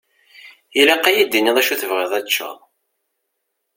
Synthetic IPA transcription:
ilæqːæjid̪ːiniðˤæʃuθəvʁɪðˤæt͡ʃːɑ̰ˤ

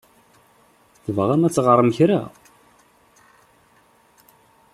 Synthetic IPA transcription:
θvəʁæmæt͡sːʁəɾˤəmçɾæ̰

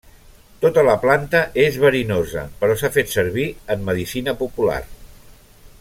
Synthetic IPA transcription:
t̪ot̪ələplant̪əʔezβəɾinozə̰pəɾɔsafet̪səɾβ̞iəmːəðisinəpupula̰r

